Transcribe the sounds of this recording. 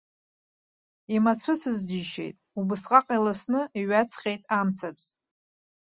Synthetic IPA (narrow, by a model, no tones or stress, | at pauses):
imat͡sʷʰɨsɨzd͡ʒiʃe̞̰jtʼubɨsqʼaqʼilasnɨiɥat͡sʰχʲejtʼamt͡sʰapz̥